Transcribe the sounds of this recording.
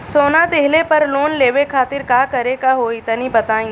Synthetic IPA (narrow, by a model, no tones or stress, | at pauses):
soːnad̪eɦlepɐɾloːnleːʋekʰaːt̪ɪɾkaːkɐɾekaɦoɪt̪nibɐt̪aːĩː